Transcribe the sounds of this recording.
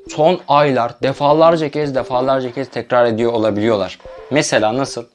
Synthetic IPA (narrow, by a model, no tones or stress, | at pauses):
sʰo̞najlˠaɾd̪efaːlˠaɾd͡ʒacʰɛzd̪efaːlˠaɾd͡ʒacʰɛz̥t̪ʰɛcɾaɾe̞d̪ijoːlˠabilʲijo̞lˠaɾ̥mese̞lʲaːnasɯlˠ